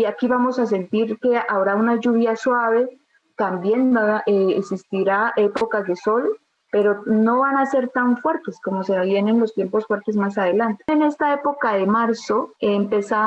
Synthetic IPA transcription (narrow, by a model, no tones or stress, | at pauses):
akiβamo̞sas̬e̞nt̪iɾke̞aβɾaunad͡ʒuβjaswaβe̞ | t̪ambje̞nʔeeksist̪iɾaʔe̞pokazd̪e̞so̞l | pe̞ɾo̞no̞βanase̞ɾt̪aɱfwe̞ɾt̪esko̞moseβjene̞nlo̞st̪je̞mpo̞sfwe̞ɾt̪e̞zmasaðe̞lant̪eene̞st̪ae̞po̞kaðe̞maɾso̞mpe̞sa